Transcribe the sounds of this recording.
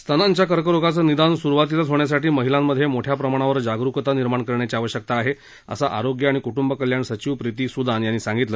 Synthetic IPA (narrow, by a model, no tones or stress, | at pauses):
st̪ʰanaɲt͡ɕjakəɾkəɾoɡat͡səːnid̪ansuɾuʋat̪̬ilat͡sɦoɳjas̬aʈiːməɦilamːəd̪ʱːjemoʈʰjapɾəmaɽ̃aʋəɾd͡ʑaɡɾukət̪aniɾmaɳkəɾɳjat͡ɕiaʋəɕjək̚t̪aːɦe | ə̰saʔa̰ɾoɡjəaɽ̃ikuʈumbəkəljaɳsət͡ɕiʋpɾit̪iːsud̪ʱanjanːisãŋɡit̪lə